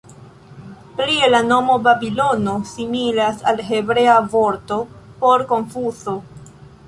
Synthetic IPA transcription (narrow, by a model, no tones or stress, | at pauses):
plielano̞mo̞babilo̞no̞similasa̰lɦe̞bɾe̞avo̞ɾto̞po̞ɾko̞nfuso̞